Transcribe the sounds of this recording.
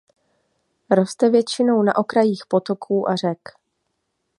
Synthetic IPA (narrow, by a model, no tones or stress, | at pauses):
ɾo̞st̪ɛvjɛt͡ʃɪno̞wna̰ʔo̞kɾajiːxpo̞t̪o̞kʰuːʔar̝ɛk